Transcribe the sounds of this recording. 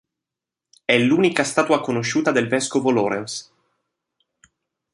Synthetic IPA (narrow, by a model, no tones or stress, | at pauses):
ɛlːuːnikast̪aːt̪uakonoʃːuːt̪ad̪elvɛskovolɔːɾɛns